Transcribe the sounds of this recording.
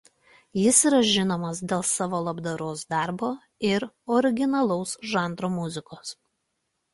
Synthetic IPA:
jɪsiːˑɾɐʒʲɪnoːmɐsd̪ʲeːlˠsɑːʋoːlˠɐbd̪ɐɾoːsd̪ɑˑɾboː | ɪɾ | ɔɾʲɪɡʲɪnɐlˠɔʊsʒɑˑnd̪ɾoːmʊzʲɪkoːs

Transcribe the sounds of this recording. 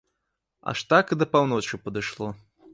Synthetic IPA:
a̰ʂt̪akid̪ɐpawnot͡ʃupɐd̪ɨʂlˠo

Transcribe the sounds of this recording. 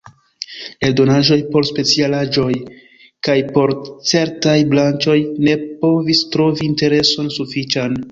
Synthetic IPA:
eldo̞naʒo̞jpo̞ɾspe̞t͡sialaʒo̞j | kajpo̞ɾt͡se̞ɾtajblant͡ʃo̞jne̞po̞vistɾo̞viːnte̞ɾe̞so̞nsufit͡ʃan

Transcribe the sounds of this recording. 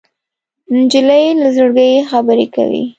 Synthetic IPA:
nd͡ʒiləjelazəɽɡəjexabəɾeka̰wḭ

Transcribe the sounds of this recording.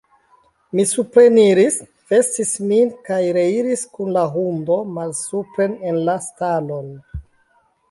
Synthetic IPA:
misupɾeniɾis | ve̞stismikajɾeiɾiskunlaɦundo̞malsupɾene̞nlastalo̞n

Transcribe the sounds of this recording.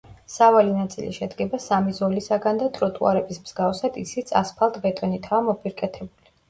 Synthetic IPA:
savalinat̪sʼḭlḭʃɛd̪ɡɛbasamizɔlisaɡand̪at̪ʼɾɔt̪ʼuaɾɛbismz̥ɡafsad̪ḭsit̪sʼʰa̰spʰalˠd̪ʰvɛt̪ʼɔnit̪ʰaːmɔpʰʼiɾkʼɛt̪ʰɛbuli

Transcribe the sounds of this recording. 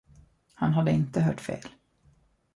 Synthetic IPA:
hanɦad̪ːəɪnt̪əɦœːʈfḛːl

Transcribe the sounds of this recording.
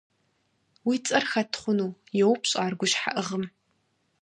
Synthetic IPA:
wiːt͡sʼɐrxɐtʰχʷʊnuːjɛwpʰɕʼaːrɡʷʊʃħa̰ʔɨʁəm

